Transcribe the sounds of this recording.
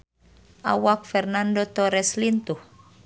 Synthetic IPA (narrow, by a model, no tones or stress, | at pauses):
ʔawak̚fɛrnandot̪ɔɾɛslint̪uh